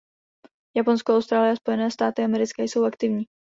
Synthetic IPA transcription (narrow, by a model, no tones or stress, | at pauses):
japo̞nskoawst̪ɾaːlɪjɛaspo̞jɛnɛːst̪aːt̪ɪamɛɾɪt͡skajso̞wakt̪ɪvɲiː